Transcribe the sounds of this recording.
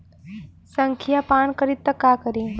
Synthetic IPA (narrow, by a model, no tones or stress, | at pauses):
səŋkʰijapaːnkəɾit̪ːəkakəɾi